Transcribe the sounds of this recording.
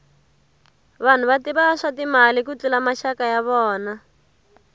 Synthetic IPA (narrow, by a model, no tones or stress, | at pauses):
βan̤uβatiβaʂatimalikut͡ɬulamaʃakajaβɔːna